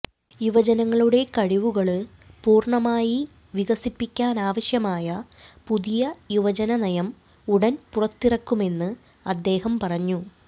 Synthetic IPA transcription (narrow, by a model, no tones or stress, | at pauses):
juʋɐd͡ʑɐnɐŋːɐɭuɽe̞kɐɻiʋuɣɐɭ | puːrɳɐmaːji | ʋiɣɐsipːikʲːaːnaːʋɐɕjɐmaːjɐ | puðijɐjuʋɐd͡ʑɐnɐnɐjɐm | uɽɐnpurɐt̪ːirɐkːume̞nːɨ | ɐd̪ːe̞ːhɐmpɐrɐɲːu